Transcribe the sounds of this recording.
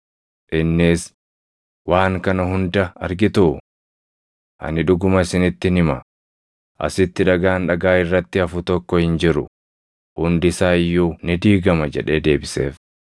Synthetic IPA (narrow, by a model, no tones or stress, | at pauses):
ʔɪnːɪs | waːŋkɐnɐɦʊnd̪ɐɐ̰ɾɡɪt̪ʊ | ʔɐ̰nɪᶑʊɡʊmɐɪsɪnɪt̪ːɪnɪmɐ | ʔɐ̰sɪt̪ːɪᶑɐɡaːnᶑɐɡaːɪrːɐt̪ːɪɐfʊt̪ɔkːɔhɪnd͡ʒɪɾʊ̰ | hʊnd̪ɪsaːɪjːuːnɪd̪iːɡɐmɐd͡ʒɛ̰ᶑe̞ːd̪e̞ːbɪse̞̰ːf